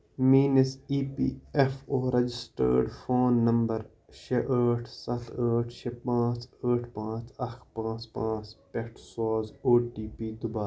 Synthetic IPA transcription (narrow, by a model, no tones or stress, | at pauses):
miːnɐsiːpḭːefoːɾɐd͡ʒɪsʈə̰ɾɖfoːnːɐmbɐɾ | ʃʰeʔəːʈʰsɐt̪ʰəːʈʰʃʰepãːt͡ʃəːʈʰpãːt͡ʃɐxpãːt͡ʃpãːt͡ʃpeʈʰsoːzoːʈiːpiːd̪ʊbaːɾ